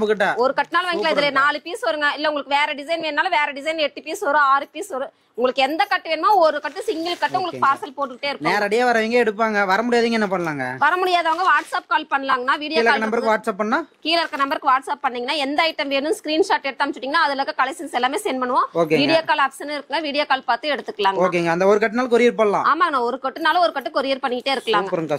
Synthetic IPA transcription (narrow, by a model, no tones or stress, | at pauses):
mbɯkɪʈːaːɔɾɯkɐʈːɯnaːlʋɐŋɡɪlɐɪðɪlenaːlɯpiːsʋɔɾɯŋɡɐɪlːɐʊŋɡɐɭɯkːɯʋeːɾɛɖɪsɐɪnʋeːnnaːlʋeːɾɛɖɪsɐɪnɛʈːɯpiːsɔɾɯaːɾɯpiːsɔɾɯ | ʊŋɡɐɭɯkːɯɛnd̪ɐkɐʈːɯʋeːnɯmnaːɔɾɯkɐʈːɯsɪŋɡɐlkɐʈːɯʊŋɡɐɭɯkɯpaːɾsɐlpoːʈːɯkɪʈːeːɪɾɯknːnãeːɾɐɽɪjaːʋɐɾɐʋiːŋɡeɛɽɯp̬ːaːŋɡɐʋɐɾɐmʊɽɪjaːðiŋɡɐɛnːɐpɐɳːɐlaːŋɡɐ̰ʋɐɾɐmʊɽɪjaːðaːŋɡɐʋaːʈsaːp̚kaːlpɐɳːɐlaːŋɡɐnːaːʋiːɽɪjalɐaːlɐnɐmbɐɾkɯʋaːʈsaːp̚ːɐɳːnaːkiːlɐɾkːɐnɐmbɐɾɯkːɯʋaːʈsaːp̚ːɐɳːiːɡɐnːaːɛnd̪ɐɐɪʈːɐmʋeːɳɯmskɾiːnʂaːʈːɛɽt̪ːaːmt͡ʃːɯʈːiːŋɡɐnaːðɯlɐkːɐkɐlɐɪsɪnsɛlːaːmeːsɛːnpɐɳɯʋõːoːkeʋiːɽɪjoːkaːlɐːpsɐnɪɾɯkːaːŋɡɐʋiːɽɪjoːkaːlpaːɾt̪ɯɛɽɯt̪ːɯkːɐlaːŋɡoːkeːŋɡɐɐnd̪ɐɔɾɯkɐʈːɯnaːlkɔɾɪjɪɾpoːɽɐlã̰ːaːmaːɐnãːɔɾɯkɐʈːɯnaːlɐɔɾɯkɐʈːɯkɔɾɪjɐɾpɐɳːɪkɪʈːeːɪɾɯkːɐlaːŋɡɐɾɯŋɐ